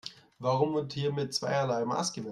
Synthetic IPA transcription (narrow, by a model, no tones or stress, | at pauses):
vaʁʊmʊnthiːɐmɪt̚t͡sv̥a̰ɪɐlaɪma̰ːsɡ̥əmɛ